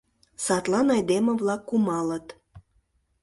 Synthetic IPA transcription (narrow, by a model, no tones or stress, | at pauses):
sɑt̪lɑnɑjd̪emə̆βlɑkːumɑlət̪